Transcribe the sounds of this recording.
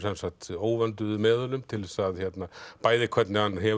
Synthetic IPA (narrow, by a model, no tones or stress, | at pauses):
sɛnsaht̪oːwvɛnt̪̬ʏɪmɛːðʏlʏmt̪ʰɪlsaðçɛt̪napaːjðɪkʰvɛt̪nɪhanːɦɛ